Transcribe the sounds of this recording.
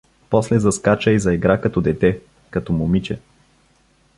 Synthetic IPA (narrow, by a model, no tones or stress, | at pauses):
pɔslɛzɐskat͡ʃəizɐɛɡɾakɐt̪ɔd̪ɛt̪ɛ | kɐt̪ɔmʊmit͡ʃɛ